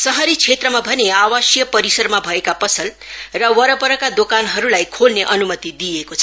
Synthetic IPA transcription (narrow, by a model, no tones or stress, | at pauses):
sʌɦʌɾit͡sʰet̪rʌmabʱʌneawʌsjʌpʌɾisʌrmabʱʌekapʌsʰʌl | rʌwʌɾʌpʌɾʌkad̪okanɦʌɾulajkʰolneʔʌnumʌt̪id̪ijekot͡sʰʌ